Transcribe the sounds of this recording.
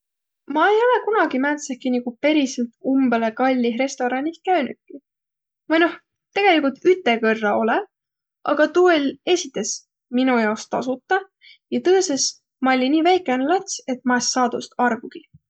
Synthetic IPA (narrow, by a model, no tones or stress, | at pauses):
mɑe̞jo̞le̞kunɑɡ̥imænt̪sekːiniɡupe̞ɾiselt̪umb̥ele̞kɑlʲːiɦɾe̞st̪o̞ɾɑnʲis̚kæynukːˑi | mɑjno̞h | t̪e̞ɡ̥e̞likult̪yt̪ːˑe̞kɤrːɑo̞le | ʔɑ̰ɡ̥ɑt̪uːelʲe̞sʲit̪ːˑe̞s | minujɑwst̪ɑ̰sut̪ːˑɑ | jɑt̪ɤːse̞s | mɑolʲiniːvæjkːˑeɑnlɑt̪se̞t̪mɑesːɑːd̪̥ust̪ɑrvuɡ̥i